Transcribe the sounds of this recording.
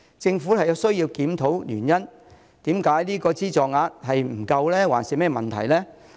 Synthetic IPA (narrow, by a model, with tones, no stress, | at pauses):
t͡sɪ˧ŋfuː˨˥hɐ˨jɐ˨˧sɵ˥ɥjiː˧wkiː˨˥mt̪ʰo˨˥wlyː˨˩njɐ˥n | t̪iː˨˥mkaː˨˥jliː˥kɔː˧t͡siː˥t͡sɔː˨ŋaː˧t̚hɐ˨jm̩˨˩kɐ˧wlɛː˥waː˨˩nsiː˨mɛː˥mɐ˨nt̪ʰɐ̰˨˩jlɛː˥